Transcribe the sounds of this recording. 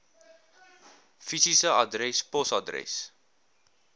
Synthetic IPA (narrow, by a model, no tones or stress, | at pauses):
fisisəadɾɛspɔsadɾɛ̰s